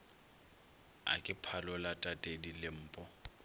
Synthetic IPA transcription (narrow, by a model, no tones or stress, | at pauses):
a̰kʼɪpʰalɔʊlatʼatʼedilɪm̩ːpʼɔ